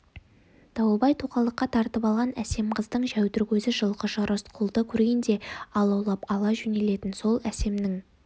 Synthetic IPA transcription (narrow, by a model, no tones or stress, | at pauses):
d̪̥ɑwəbɑjt̪ʰuqɑlˠəqːɑt̪ʰɑɾt̪əpɑlˠʁɑnæse̞mqʰəzd̪əɴʒæwt̪ʏɾkʲʰɵzɪʒəlˠqəʒəɾʔəsqʰʊlˠd̪əkʲʰɵɾɡʲe̞nd̪e̞ɑlˠɑwlˠɑpɑlˠɑʒʏne̞le̞t̪ɪnso̞lˠæse̞mnɪŋ